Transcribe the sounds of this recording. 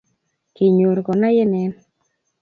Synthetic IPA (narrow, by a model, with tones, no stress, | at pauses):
ki˨ɲo˨ɾkɔ˨na˦jɪ˦nɛ˦n